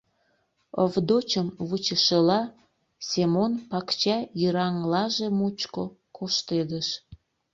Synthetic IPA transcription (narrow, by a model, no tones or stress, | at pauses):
əvd̪ot͡ɕəmβut͡ɕəʃəlɑ | sʲemonpɑkt͡ɕɑjəɾɑŋlɑʒemut͡ɕko | kʰoʃt̪ed̪əʃ